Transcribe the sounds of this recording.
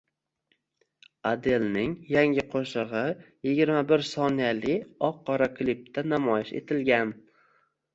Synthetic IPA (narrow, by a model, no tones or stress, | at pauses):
ad̪e̞lnɪŋjaŋʲɪqʰoʃɨʁɨ | jɪɡʲɪɾmabɪɾsɒnijalɪɒqːɒɾaklip̚t̪ʰanamɒjɪʃḛt̪ʰɪlɡʲan